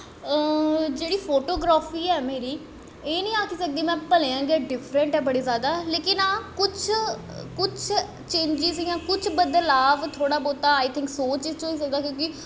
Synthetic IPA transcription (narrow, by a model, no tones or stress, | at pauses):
əd͡ʒeːɽiːpʰoːʈoːɡɾaːfiːɛːmeːɾiː | eːnĩːaːkisək̚d̪iːmɛ̃ːpəleãːŋɡeːɖɪpʰɾə̃ɳʈɛːbəɽeːzjaːd̪aːleːkɪnaːkʊt͡ʃʰ | kʊt͡ʃʰ | t͡ʃẽːɲd͡ʒɪziãːkʊt͡ʃʰbəd̪əlaːʋt̪ʰoːɽaːboːt̪aːaːjt̪ʰɪ̃ŋksoːt͡ʃɪt͡ʃɦoːiːs̬ək̚d̪aːkjõːkɪ